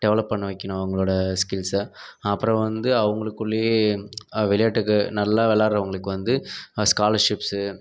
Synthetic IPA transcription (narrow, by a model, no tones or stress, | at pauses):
ɖɛʋɐlɐpːɐɳːɐʋɐkːɪɳʊ̃ɐʋɐŋɡɐɭoːɽɐskɪlsɐpːɯɾɐ̃ʋɐnd̪ɯɐʋɐŋɡɐɭɯkːɯɭːe | ʋɪlɐjaːʈːɯkːɯnɐlːaːʋɛlaːɾɐʋɐŋɡɐɭɯkːɯʋɐnd̪ɯskaːlɐɾʂɪpsɯ